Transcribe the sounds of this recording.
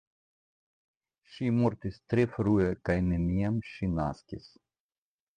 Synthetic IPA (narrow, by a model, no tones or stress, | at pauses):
ʃimoɾt̪ist̪ɾefɾuekajnemijamʃina̰skʲis